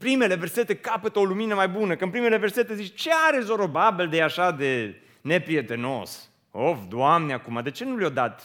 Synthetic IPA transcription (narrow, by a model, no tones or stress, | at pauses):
pɾime̞le̞verse̞t̪e̞kapət̪əoluminəmajbunəkəɨnpɾimele̞ve̞rse̞t̪ezit͡ʃt͡ʃe̞aɾezoɾobabild̪ejaʃad̪e̞ | ne̞pɾije̞t̪e̞no̞̰s | ofd̪oamneakumad̪e̞t͡ʃe̞nuljod̪at̪